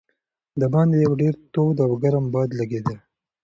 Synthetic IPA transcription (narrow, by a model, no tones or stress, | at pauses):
d̪əbɑnd̪ejawɖeɾt̪od̪awɡaɾambɑd̪laɡed̪əl